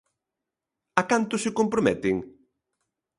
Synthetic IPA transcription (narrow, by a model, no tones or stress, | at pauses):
akant̪ʊsɪkompɾomɛt̪ɪŋ